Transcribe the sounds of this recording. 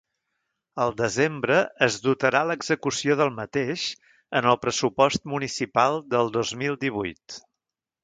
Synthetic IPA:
əlˠd̪əzembɾəːzðut̪əɾaləɡzəkusioðəlˠmət̪eʃ | ənəlˠpɾəsupɔst̪munisipalˠd̪əlˠd̪ozmilˠd̪iβ̞ujt̪

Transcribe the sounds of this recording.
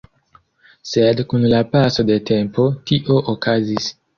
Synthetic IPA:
sedkunlapaso̞de̞te̞mpʰo̞tiʔo̞ʔokazis

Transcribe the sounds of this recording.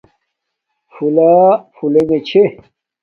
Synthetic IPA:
fulafuleŋet͡ɕʰe

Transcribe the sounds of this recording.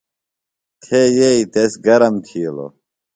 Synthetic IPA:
t̪ʰejeit̪esɡɐɾɐmt̪ʰiːlo̰

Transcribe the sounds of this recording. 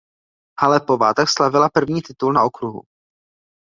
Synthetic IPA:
halɛpo̞vat̪akslavɪlapr̩vɲiːt̪ɪt̪ulnao̞kɾuɦṵ

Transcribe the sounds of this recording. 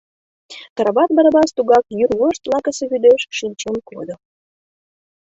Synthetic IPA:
t̪əɾəβɑt̪̚bəɾəbɑst̪uɣɑkjyɾuəʃt̪lɑkə̆seβyd̪eʃʃinʲt͡ɕemko̰d̪ŏ

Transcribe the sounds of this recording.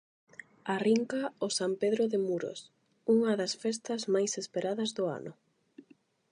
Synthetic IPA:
ariŋkaʊsampeðɾoðemuɾo̰s | uŋɐðɐsfɛst̪ɐzmajsespeɾaðɐzðʊa̰nʊ

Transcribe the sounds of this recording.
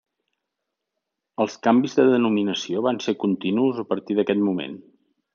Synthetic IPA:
əlˠskambizðəðənuminəsioβansekunt̪inuzəpəɾt̪iðəkɛt̪mumḛn

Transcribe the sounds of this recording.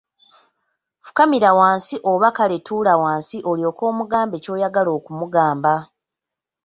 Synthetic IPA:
fu̥kamiɾawaːnsiʔoβakale̞tulawaːnsiʔo̞ljo̞ːko̞ːmuɡaːmbe̞ːco̞ːjaɡalo̞ːkumuɡaːmba

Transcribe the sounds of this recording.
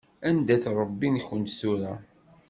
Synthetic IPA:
ænd̪æθɾˤəbːinçənt̪suɾæ

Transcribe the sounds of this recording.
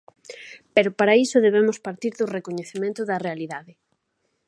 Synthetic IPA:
peɾʊpaɾaisʊðeβemʊspaɾt̪iɾðʊrekoɲeθemẽnt̪ʊðɐrealiðaðɪ

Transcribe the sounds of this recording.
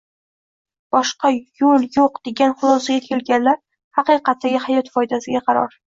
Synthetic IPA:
b̥ɒʃqɑjoljoqd̪e̞ɡʲanχʊlˠɒsaɡʲakʲʰe̞lɡʲanlaɾ | hɑqɨjqʰɑt̪̚ːaɡʲɪhajɒt̪fɒjd̪asɪɡʲaqʰɑɾɒ̰ɾ

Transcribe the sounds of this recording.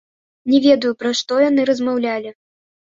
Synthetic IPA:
nʲɛvʲɛd̪ujupɾaʂt̪ɔjan̪ɨɾɐzmawlʲalʲi

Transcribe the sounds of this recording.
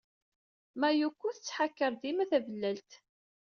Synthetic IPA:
mæjukʷːuθət͡sːħakːəɾˤd̪imæθævəlːælt̪

